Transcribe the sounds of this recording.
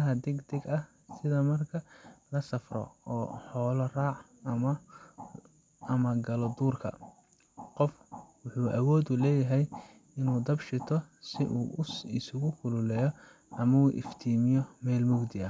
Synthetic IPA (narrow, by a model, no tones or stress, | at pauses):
ɐɦɐd̪ɛɡd̪ɛɡɐh | sɪðɐmɐrkʰɐlɐsɐfrɔ̰ɔːħɔːlɔraːʕ | ɐmɐ | ɐmɐɡɐlɔd̪uːrkʰɐ̰ | qɔfwʊħuːʔɐwɔːd̪ulɛːjɐɦɛj | ɪnuːd̪ɐbʃɪt̪ʰɔsɪʔṵːɪsʊɣʊkʰʊlʊlɛːjɔ | ʔɐmɐuːʔɪ̰ft̪ʰiːmɪjɔmɛːlmʊɡd̪ɪɐ